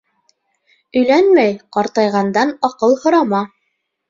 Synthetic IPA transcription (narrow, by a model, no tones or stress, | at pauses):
ɵ̆jlænmæjqɑɾt̪ɑjʁɑnd̪ɑnɑqɤlˠhŏɾɑmɑ